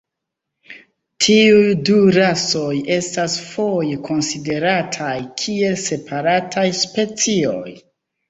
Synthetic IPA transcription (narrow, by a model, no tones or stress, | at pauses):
tʰiujduɾaso̞je̞stasfo̞jekʰo̞nside̞ɾatʰajkʰie̞lse̞pʰaɾatʰajspe̞t͡sio̞̰j